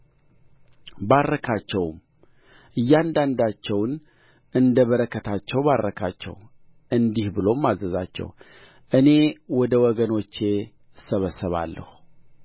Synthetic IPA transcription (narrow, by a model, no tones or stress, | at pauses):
barːəkʰat͡ʃːɛwm | ʔɨjːand̪and̪at͡ʃːɛwn | ɨnd̪əβəɾəkʰːət̪ʰat͡ʃːɛwbaɾːəkʰa̰t͡ʃːɛ̰w | ʔɨnd̪ihbɨlo̞mːazəza̰t͡ʃːɛ̰w | ʔɨne̞wɔd̪əwɔɡənot͡ʃːe̞ | səβəsəβa̰lːə̰hu